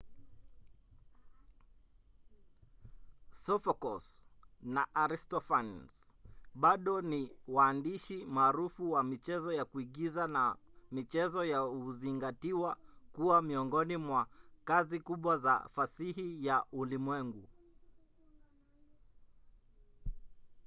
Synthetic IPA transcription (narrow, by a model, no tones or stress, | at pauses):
sɔfɔkɔsnaʔaɾistɔfans | ɓaɗɔniwaːndiʃimaːɾufuwamit͡ʃɛzɔjakuiɠizanamit͡ʃɛzɔjauziŋɡatiwakuwamiɔŋɡɔnimwakazikuɓwaza̰fasiɦijaulimwɛŋɡu